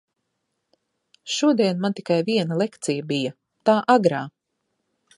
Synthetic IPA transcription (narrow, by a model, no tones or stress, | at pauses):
ʃuɔd̪iɛnmant̪ikajviɛnɐlˠekt̪sijabijɐ | t̪aːʔaɡɾaː